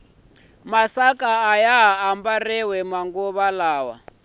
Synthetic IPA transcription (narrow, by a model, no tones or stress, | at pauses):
masakʼaːjaɦaambarɛwɛmaŋɡuβalaːwa̰